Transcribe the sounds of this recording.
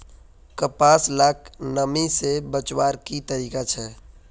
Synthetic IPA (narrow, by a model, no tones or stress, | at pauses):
kəpaːslaːknəmisebət͡ʃwaːɾkit̪əɾiːkat͡ʃʰɛː